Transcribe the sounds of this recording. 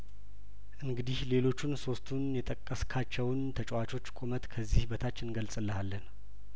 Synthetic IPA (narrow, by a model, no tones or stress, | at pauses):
ʔɨŋɡɨd̪ihle̞lo̞t͡ʃːunso̞st̪ʰunjɛt̪ʼəkʼːəskʰat͡ʃːɛwnt̪ʰət͡ʃʼwat͡ʃʰʼo̞t͡ʃːkʼomət̪kʰəzːihbət̪ʰat͡ʃːɪnɡəlsʼɨlːəhalːən